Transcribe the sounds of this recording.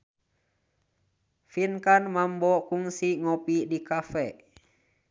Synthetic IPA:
finkanmambɔkuŋsiŋɔpidikafɛʔ

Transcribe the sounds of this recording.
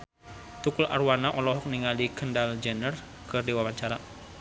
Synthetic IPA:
t̪ukulʔa̰rwanaʔɔlɔɦɔk̚niŋalikəndald͡ʒənər | kɨrdiwawaɲt͡ʃaɾa

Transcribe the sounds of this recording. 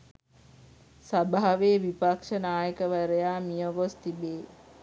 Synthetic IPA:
sabaɦaʋeːʋipakʂənaːjəkəʋæɾəjaːmijəʋost̪ibeː

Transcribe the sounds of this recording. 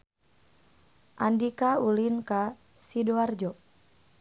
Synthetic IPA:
ʔandikaulinka | sidoard͡ʒɔ

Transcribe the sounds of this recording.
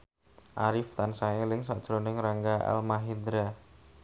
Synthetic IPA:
ʔaɾɪft̪ansaelɪŋsad̥t͡ʃɾɔnɪŋɾaŋɡaʔa̰lmaɦid̪ɾa

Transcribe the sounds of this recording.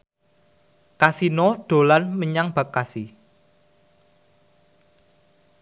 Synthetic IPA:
kasinɔɖ̪̥o̤lanməɲaŋb̥a̤kːasi

